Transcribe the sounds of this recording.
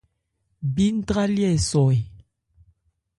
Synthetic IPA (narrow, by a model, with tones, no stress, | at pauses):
bi˦n̩˦dʁa˦ljɛ˦˨sɔ˨j